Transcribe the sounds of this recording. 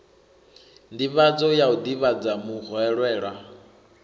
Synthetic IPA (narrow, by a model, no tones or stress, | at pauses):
ndiβad͡zɔjaud̪iβad͡zamuɣɔɛɺwɛːɺwa